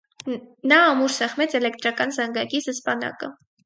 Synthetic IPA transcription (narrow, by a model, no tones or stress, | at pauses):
nɑːmuɾsɛχmɛt͡sʰɛlɛk̚t̪ɾɑkɑnzɑŋɡɑkizəspɑnɑ̰kə